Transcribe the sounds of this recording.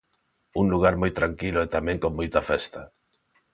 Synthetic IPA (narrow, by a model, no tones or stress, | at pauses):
uŋluɣ̞aɾmojt̪ɾaŋkilʊɛt̪amɛ̃ŋkommojt̪ɐfɛst̪ɐ